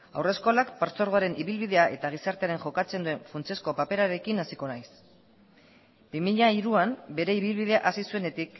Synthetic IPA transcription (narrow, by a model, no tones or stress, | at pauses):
a̰wre̞sko̞lakpaɾt͡so̞ɾɣo̞aɾe̞nʔiβilβiðe̞aʔe̞t̪aɣ̞isaɾt̪eaɾe̞nʝo̞kat͡se̞nd̪ue̞ɱfunt͡sie̞sko̞pape̞ɾaɾe̞kinasiko̞najs | bimiʎaiɾuambe̞ɾe̞iβ̞ilβið̞e̞aʔasisue̞ne̞t̪ik